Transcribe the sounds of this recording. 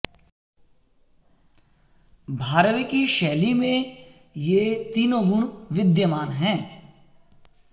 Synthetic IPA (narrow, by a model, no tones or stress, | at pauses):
bʱaːɾəʋikiʃɛːlimẽ | jeːt̪iːnõɡʊɽ̃ʋɪd̪jəmaːnɦɛ̃ː